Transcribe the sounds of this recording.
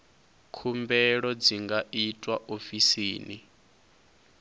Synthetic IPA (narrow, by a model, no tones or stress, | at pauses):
kʰumbɛɺɔd͡ziŋɡaʔitʼwaʔofisiːni